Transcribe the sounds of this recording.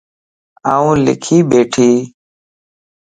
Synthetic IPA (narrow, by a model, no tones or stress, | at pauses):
aːũːlɪ̰kʰiːbeːʈʰiː